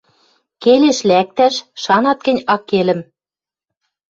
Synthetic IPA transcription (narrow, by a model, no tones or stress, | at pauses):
keleʃlæk̚t̪æʃʃɑnɑt̪̚kɘ̆nʲɑkːelɘ̆m